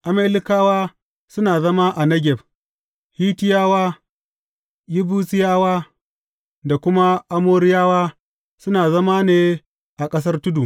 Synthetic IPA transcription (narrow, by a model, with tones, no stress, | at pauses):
ʔa˨meː˦lɪ˦kaː˦waː˦ | sʊ˦naː˨zɐ˦ma˦ʔa˨nɐ˦ɡʲɛ˨b | hiː˦tɪ˦jaː˦waː˦ | ji˦buː˦sɪ˦jaː˦waː˦ | da˨kʷʊ˦ma˦ʔa˦moː˦ɾɪ˦jaː˦waː˦ | sʊ˦naː˨zɐ˦ma˦neː˦ | ʔa˨kʼɐ˦s̬ɐ˦rtʊ˦du˨